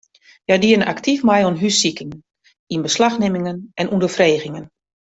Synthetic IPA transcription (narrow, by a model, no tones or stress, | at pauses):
jadiəna̰ktʰifmɛjɔnɦysikɪŋ | inbəslaxnɪmɪŋənʔɛnʔundərfreːɣɪŋən